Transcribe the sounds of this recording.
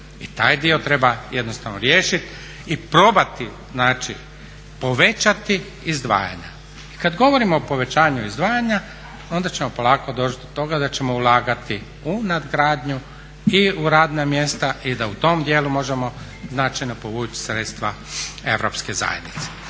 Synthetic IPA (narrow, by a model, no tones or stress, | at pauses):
it̪aːjd̪io̞t̪ɾe̞bajed̪no̞st̪aʋnoɾjeːʃit̪ | ipɾo̞bat̪i | znaːt͡ʃi | po̞ʋe̞t͡ʃat̪i | izd̪ʋa̰ːja̰ɲa̰ | i̥kad̪ɡo̞ʋo̞ɾimo̞ːpo̞ʋe̞t͡ɕaːɲuizd̪ʋaːjaɲa | o̞nd̪at͡ɕe̞mo̞po̞lˠaːkod̪ot͡ʃt̪d̪ot̪o̞ɡad̪at͡ɕe̞mo̞ulˠaːɡat̪i | unad̪ɡɾaːd̪ɲu | iuɾaːd̪namje̞st̪aʔid̪aut̪o̞ːmd̪jeːlumo̞ʒe̞mo̞ | znat͡ʃajno̞po̞ʋuːt͡ɕi̥sɾet̪st̪ʋa | e̞ʋɾo̞pskeza̰jḛd̪nit̪se̥